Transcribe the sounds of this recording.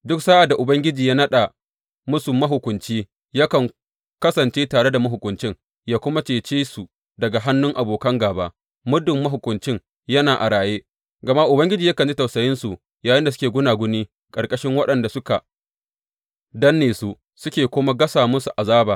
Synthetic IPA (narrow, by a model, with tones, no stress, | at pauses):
dʊ˦ksaː˦ʔa˨dːa˨ʔʊ˨bɐ˦ŋɡʲɪ˦d͡ʒiː˨jaː˦nɐ˦ɗa˨ | mʊ˦su˨mɐ˦ɦʊ˨kʷʊ˨nt͡ʃiː˦ | jɐ˦kɐ˨ŋ | kɐ˦sɐ˨nt͡ʃeː˦taː˨ɽe˦da˨mɐ˦ɦʊ˨kʷʊ˨nt͡ʃɪ˦ŋ | jaː˦kʷʊ˦ma˦t͡ʃeː˨t͡ʃeː˦su˨ | dɐ˨ɡa˨ɦa˦nːʊ˦ŋʔa˨boː˨kɐ˦ŋɡaː˨baː˦ | mʊ˦dʊ˨mːɐ˦ɦʊ˨kʷʊ˨nt͡ʃɪ˦ŋ | jɐ˦naː˨ʔa̰˨ɽaː˨jeː˦ | ɡɐ˨ma˦ʔʊ˨bɐ˦ŋɡʲɪ˦d͡ʒiː˨jɐ˦kɐ˨nd͡ʒi˦tɐ˨wsɐ˨jɪ˦nsu˨ | jaː˨jɪ˦nda˨s̬ʊ˦kʲeː˨ɡʷʊ˦naː˨ɡʷʊ˦niː˦ | kʼɐ˨ɾkʼɐ˦ʃɪ˦ŋwɐ˦ɗɐ˨nda˨sʊ˦ka˨ | dɐ˦nːeː˨su˦ | sʊ˦kʲeː˨kʷoː˦ma˦ɡɐ˦saː˨mʊ˦su˨ʔa˨zaː˦baː˨